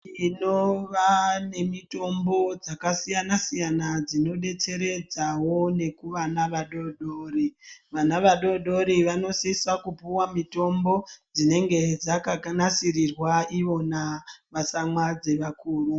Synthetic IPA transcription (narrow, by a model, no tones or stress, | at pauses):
ino̞ʋane̞mito̞mbo̞d͡zakasijanasijanad͡zino̞ɗe̞t͡se̞ɾe̞d͡zawo̞ne̞kuʋanaʋaɗoɗoːriʋanaʋaɗo̞ɗo̞ɾiʋano̞sisakupuwamito̞mbo̞d͡zine̞ŋɡe̞d͡zakakanasirirwaiʋo̞naʋasamwad͡ze̞ʋakuːru